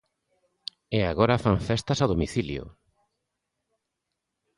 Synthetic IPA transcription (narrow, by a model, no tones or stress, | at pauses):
eaɣoɾafaɱfɛst̪ɐsaðomiθiljʊ̰